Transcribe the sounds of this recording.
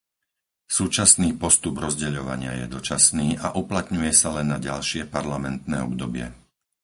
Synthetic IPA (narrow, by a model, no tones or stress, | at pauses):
suːt͡ʃasniːpɔst̪ubɾɔzɟɛʎɔʋa̰ɲɪa̰jɛ̰d̪ɔt͡ʃasniːʔaʔuplat̪ɲujɛsalɛnːaɟalʃɪɛpaɾlamɛnt̪nɛ̰ːɔbd̪ɔbɪɛ̰